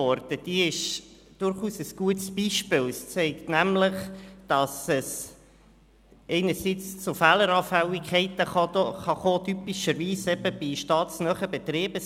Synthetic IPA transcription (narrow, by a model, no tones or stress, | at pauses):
ɔɾd̥̪əd̥iɪʃ | d̥ʊɾχuːsəsɡ̥uətsb̥iːʃpɪːlst͡sɛɪktnæmləχd̥ɑsəs | ɛɪnəɾsit͡st͡sʊfæːləɾɑːfæwikχɛɪtəχɑχɑχoːt̪ypiʃəɾʋiːsɛb̥əb̥iʃtɑːtsnœχəbɛt̪ɾeːbə